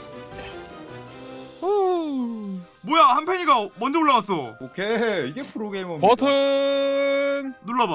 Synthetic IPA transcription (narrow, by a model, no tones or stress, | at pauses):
mwʌjahampʰeɲiɡamʌnd͡ʑʌoɭːaɡas͈ookʰeiɡepʰɯɾoɡɾeimʌmpʌtʰɯ | nnuɭːʌba